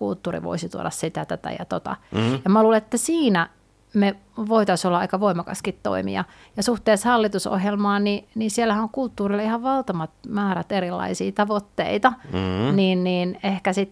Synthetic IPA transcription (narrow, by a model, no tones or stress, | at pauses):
kult̪ːuːrḭʋo̰isit̪ṵo̰ɾɑssit̪æt̪æt̪æ̰jɑ̰t̪ot̪ɑ̰jɑmmæluːleet̪ːæsiːnæ | me | ʋoit̪ɑsolːɑɑikɑʋoimɑkɑ̰skit̪to̰imḭɑ | jɑsuht̪eːshɑlːit̪uso̰hjelmɑːninisielːæhænoŋkult̪ːuːrilːɑihɑʋʋɑlt̪ɑmɑt̪mæːɾæt̪eɾilːɑ̰isiːt̪ɑʋot̪ːḛit̪ɑniːnniːnehkæsit̪